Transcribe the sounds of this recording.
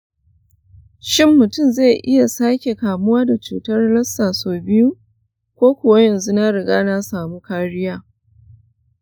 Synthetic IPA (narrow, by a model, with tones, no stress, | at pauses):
ʃɪ˦mːʊ˨tʊ˦˨mza˦˨ʔɪ˦ja˨saː˦kʲe˨kaː˨mʊ˦waː˦da˨t͡ʃuː˨tɐ˦rlɐ˦sːaː˨soː˨bɪ˦ju˦ | kʷoː˦kʷʊ˨wa˦jɐ˨nzu˦na˦ɽɪ˨ɡaː˦na˦saː˨mu˦kaː˦ɽɪ˦jaː˦